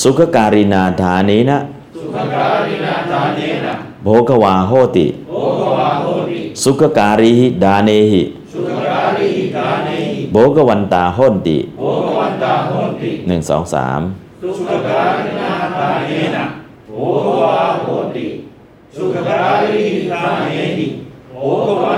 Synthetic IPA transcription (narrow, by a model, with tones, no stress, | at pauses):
su˧˦ka˧kaː˧ɾi˧naː˧d̪aː˨˧˦niː˦˥na˦˧˥ʔ | ai˧˦˧ | boː˧˦ka˧waː˧ɦoː˥˩˨t̪ḭ˨˧˥ | su˧˦ka˧kaː˧ɾi˧hi˧˨daː˧neː˧hḭ˨ | a˧a˧boː˨˦ka˧wa˧nt̪aː˧ɦoː˥˩˨nt̪ḭ˨˦˧ | nɯ˨˩ŋsɔ̰ː˩˦ŋsa̰ː˩˦m˧˥˨